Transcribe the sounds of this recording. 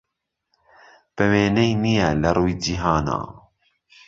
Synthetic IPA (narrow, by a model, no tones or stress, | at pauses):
b̥ɛweːnɛjnijɛlɐɾˤuːjd͡ʒiɦaːna̰ː